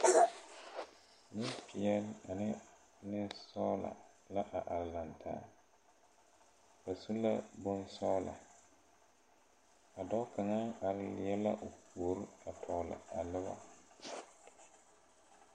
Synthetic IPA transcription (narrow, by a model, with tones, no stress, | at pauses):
nɪ˦pɪ˨ɛ˦la˨nɪ˦ | nɪ˦sɔ˦la̰˨ | la˦ʔa˨ʔa˨ɾɪ˨la˨ntʰa̰ː˦ | ka˨su˦la˦bo˦n˦sɔ˦la̰˨ | a˨dɔ˦ka˨ŋa˦a˨ɾɪ˦˨lɪ˨jɛ˦la̰˦ʔʊ˨ko˨ɾa˨tʰɔ˨lɪ̰˨a˨lɪ˦ba̰˨